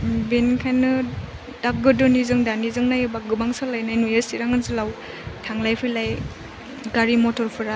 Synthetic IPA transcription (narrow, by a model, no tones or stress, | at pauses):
binkʰajnɯ | dap̚ɡɯdɔnizɯŋdanizɯŋnajɯbaɡɯbaŋsɯlajnajnujesiɾaŋɯnzɯlaw | tʰaŋlajpʰɯjlaj | ɡaɾimɔtʰɔɾpʰɯɾa